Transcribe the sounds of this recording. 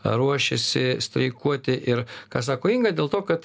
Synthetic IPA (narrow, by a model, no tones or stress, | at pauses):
ɾuɔʃʲɛsʲɪsʲt̪ʲɾʲɛɪkuɔt̪ʲɪʔɪɾkɑːs̬ɑːkoːiŋɡɐd̪ʲeːlˠt̪oːkɐt̪